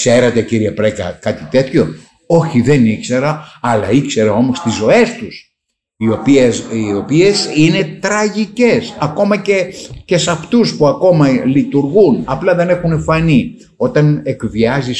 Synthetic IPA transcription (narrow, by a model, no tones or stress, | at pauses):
kse̞ɾet̪e̞ciɾiepɾekɐ̰kɐt̪it̪e̞t̪ço̞ | o̞çiðe̞nikse̞ɾɐːlɐikse̞ɾɐo̞most̪izo̞e̞st̪us | io̞pieio̞piesine̞t̪ɾɐʝice̞sɐko̞mɐce̞ce̞sɐft̪uspuɐko̞mɐlit̪uɾɣunɐplɐðe̞ne̞xunefɐni | o̞t̪ɐnekviɐzis